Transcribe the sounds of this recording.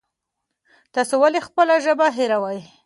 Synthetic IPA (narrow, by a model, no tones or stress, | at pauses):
t̪ɑsowalexpəlaʒəbaɦɪɾawaj